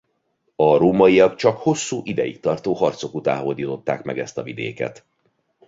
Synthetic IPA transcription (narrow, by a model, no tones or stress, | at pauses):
ɒɾoːmɒijɒɡt͡ʃɒkho̞sːuːʔid̪ɛjikt̪ɒrt̪oːɦɒrt̪so̞kut̪a̰ːɦo̞ld̪iːt̪o̞t̪ːa̰ːkmɛɡɛst̪ɒvid̪ḛːkɛ̰t̪